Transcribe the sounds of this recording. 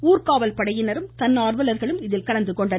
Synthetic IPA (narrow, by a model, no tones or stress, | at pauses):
uːrkaːʋɐlpɐɽɐjɪnɐɾɯmt̪ɐnːaːrʋɐlɐɾɣɐɭɯmɪðɪlkɐɭɐnd̪ɯkːɔɳɖɐ